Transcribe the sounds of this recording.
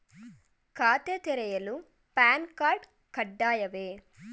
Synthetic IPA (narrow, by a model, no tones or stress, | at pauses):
kaːt̪et̪ɛɾɐjɐlu | paːnkaːɾɖ | kɐɖːaːjɐʋeː